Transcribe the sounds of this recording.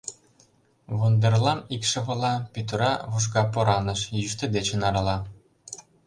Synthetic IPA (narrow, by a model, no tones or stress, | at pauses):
βond̪erlɑmikʃɤ̆βɤ̆lˠɑpyt̪əɾɑβuʃ̬ɡɑpoɾɑnɤ̆ʃjyʃt̪ĕd̪et͡ɕĕnɑɾɑlˠɑ